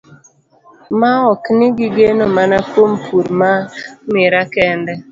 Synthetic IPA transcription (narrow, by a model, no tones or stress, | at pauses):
maɔknɪɡɪɡenomanakompʰuɾmamɪɾakɛndɛ